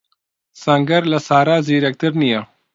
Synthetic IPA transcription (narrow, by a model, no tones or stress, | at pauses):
sɐŋɡɐɾlɐsaːɾaːziːɾɐk̚t̪ɐɾnija